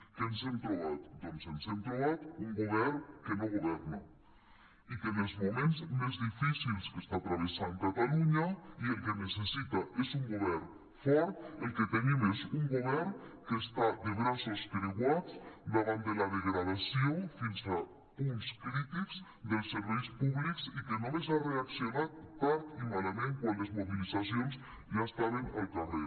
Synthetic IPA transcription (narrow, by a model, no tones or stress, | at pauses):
kensemt̪ɾuβat̪̚d̪onsensemt̪ɾuβat̪uŋɡuβɛɾkenoɣuβɛɾna | ikənelzmumẽnzmezðifisilskəst̪at̪ɾaβesaŋkat̪aluɲaielˠkenesesit̪aʔezuŋɡuβɛɾn | fɔɾt̪̚elˠket̪enimezuŋɡuβɛɾnkest̪ad̪eɣɾasoskɾiɣwat͡sd̪aβand̪elaðeɣɾaðasjofinsa | uŋskɾit̪ikz̥ | d̪elˠsːeɾβ̞ɛjspuβliksikenolezareaksjonat̪̚ːaɾt̪imalamẽŋkwanlezmuβ̞ilizas̬jonz | ʒaest̪aβenalˠk̪are